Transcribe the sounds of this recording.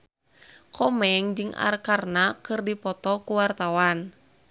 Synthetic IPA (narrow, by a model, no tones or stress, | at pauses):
kʰɔmɛŋd͡ʒɨŋa̰rkarnakɨrdipɔt̪ɔkuwart̪awan